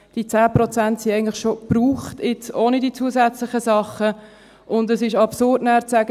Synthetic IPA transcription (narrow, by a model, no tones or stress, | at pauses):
d̥it͡sæːprɔt͡sæntsiɛɪɡəntlɪχʃob̥ruːχtɪt͡soːnədiːt͡suːəsæt͡slɪχəsɑχə | ʔʊndəsɪʃɑpsʊrdnæːɾt͡sæɡə